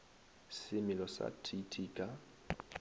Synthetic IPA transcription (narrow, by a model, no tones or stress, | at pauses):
sɪmɪlɔsa̰tʰitʰiːkʼa